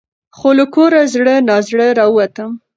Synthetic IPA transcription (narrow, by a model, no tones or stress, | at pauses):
xoləkoɾazɽənɑzɽəɾɑəwat̪əm